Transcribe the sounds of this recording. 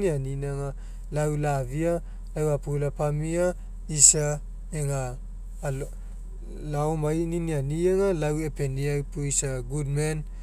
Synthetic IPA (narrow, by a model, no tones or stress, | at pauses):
nianinaŋa | lawlavia | lawapulapamia | isa | eŋa | l | laomajninianiaŋalawepeniawpuisaɡudmen